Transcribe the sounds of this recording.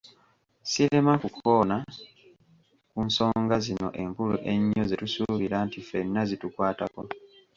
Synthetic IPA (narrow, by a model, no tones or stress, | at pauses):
siɾe̞makukʰona | kunso̞ːŋɡazino̞̰ʔe̞mpulṵʔe̞ɲːo̞zetusuβiɾantife̞nːazitukwaːtako̞